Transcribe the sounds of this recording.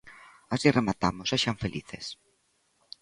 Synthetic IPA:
asiremat̪a̰moseʃaɱfelʔḭθḛs

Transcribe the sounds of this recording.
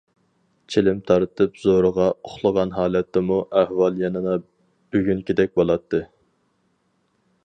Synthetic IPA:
t͡ʃʰelɪmt̪ʰɑɾt̪ʰɨpzoɾəʁɑoχlˠəʁɑnɦɑːlɛt̪ʰːɪmuʔæhwɑlˠjɑnɨd̪ɑ | b̥yɡʲyŋkʲid̪ɛk̚ʲbolˠɑt̪ʰːɨ

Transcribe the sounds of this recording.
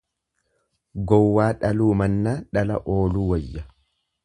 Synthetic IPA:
ɡɔwːaːᶑɐluːmɐnːaːᶑɐlɐʔoːluːwɔjːɐ

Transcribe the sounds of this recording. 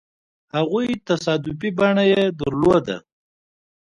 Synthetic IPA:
haɣujt̪asɑd̪ʊpibaɳajed̪əɾlod̪a̰

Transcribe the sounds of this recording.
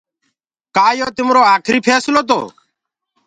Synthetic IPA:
kaːjoːt̪ɪmɾoːaːkʰɾiːpʰɛːsloːt̪̬o̰ː

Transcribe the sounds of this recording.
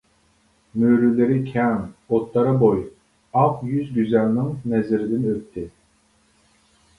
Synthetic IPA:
møɾylɪɾɪkʲʰɛŋot̪lˠɑɾɑboj | ɑqjyzɡʲyzælnɪŋnɛzɪɾɪd̪ɪnøt̪ʰːɪ

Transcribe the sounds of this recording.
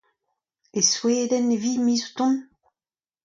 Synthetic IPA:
esweːdɛnevimiːzut̪ɔ̃n

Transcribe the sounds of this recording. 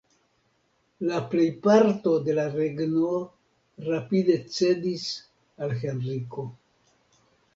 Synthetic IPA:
laple̞jpaɾto̞de̞laɾeɡnuo | ɾapide̞t͡se̞dis | alxe̞nriko̞

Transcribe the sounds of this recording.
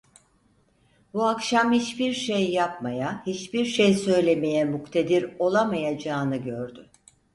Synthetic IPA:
buakʃamhit͡ʃbiɾʃejːapmajahit͡ʃbiɾʃejsø̞jlʲeme̞jɛmukt̪ʰed̪iɾo̞lˠamajad͡ʒaːnɯɟøɾd̪ʏ

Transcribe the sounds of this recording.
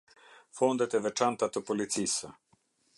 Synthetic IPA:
fond̪ɛt̪ɛvɛt͡ʃant̪at̪əpolit̪sisə

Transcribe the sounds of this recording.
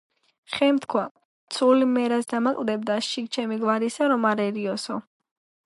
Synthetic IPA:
χɛmt̪ʰkʰwa | t̪sʰulimɛɾasd̪amakʼld̪ɛbd̪asʃik̚t͡ʃʰɛmiɡvaɾisaɾɔmaɾɛɾiɔsɔ

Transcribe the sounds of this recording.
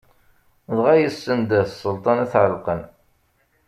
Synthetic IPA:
ðʁæjəsːənd̪əsˤːəlt̪ˤɑnæθʕəlqən

